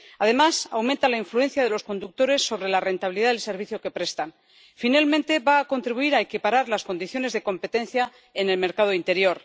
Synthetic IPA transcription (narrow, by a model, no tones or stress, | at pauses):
að̞e̞masawmẽnt̪alaiɱflue̞n̟θjaðe̞lo̞sko̞nd̪uk̚t̪o̞ɾe̞sːo̞βɾe̞lare̞nt̪aβiliðaðelse̞ɾβ̞iθjo̞ke̞pɾe̞st̪an | finalmẽnt̪e̞βaːko̞nt̪ɾiβuiɾaekipaɾaɾlaskond̪iθjo̞ne̞zðe̞ko̞mpe̞t̪e̞nθja | ene̞lme̞ɾkað̞oint̪e̞ɾjo̞ɾ